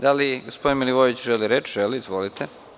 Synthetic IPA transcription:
d̪aliɡospo̞d̪inmiliʋoʋit͡ɕʒeliɾet͡ʃʒeliːzʋo̞lit̪ʰe

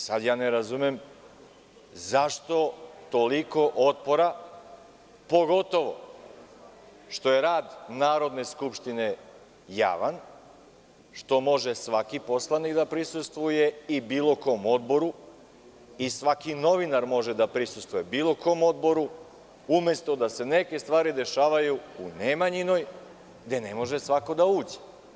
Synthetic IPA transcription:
sad̪jaːneɾazumem | zaʃt̪o̞t̪o̞liko̞ʔot̪̚po̞ɾa | po̞ɡo̞t̪o̞ʋo̞̰ | ʃt̪o̞jeɾaːd̪naːɾo̞d̪ne̞skupʃt̪ine̞ | ja̰ːʋan | ʃt̪o̞mo̞ʒe̞sʋakipo̞slˠanikd̪apɾisust̪ʋujeibiːlo̞ko̞ːmod̪bo̞ɾu | isʋakino̞ʋinaɾmo̞ʒed̪apɾisust̪ʋuje̞biːlˠo̞ko̞mo̞d̪bo̞ɾu | umje̞st̪o̞d̪ase̞ne̞ke̞st̪ʋaːɾid̪e̞ʃaːʋajuunemaɲino̞j | d̪e̞ne̞mo̞ʒesʋako̞d̪auːd͡ʑe̥

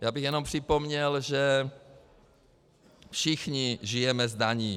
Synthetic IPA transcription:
jaːbiɣjɛnɔmpr̥ipɔmɲɛlʒɛ | fʃixɲiʒijɛmɛzd̪aɲiː

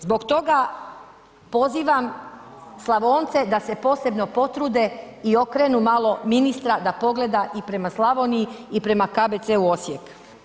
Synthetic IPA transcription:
zbo̞ɡt̪o̞ɡa | po̞ziːʋam | slˠaʋo̞ːnt̪se̞d̪ase̞po̞ːse̞bno̞po̞t̪ɾuːd̪e̞ | io̞kɾeːnumalˠo̞minist̪ɾad̪apo̞ɡle̞d̪aʔipɾe̞maslˠaʋoniiipɾe̞makabet̪seuo̞sjek

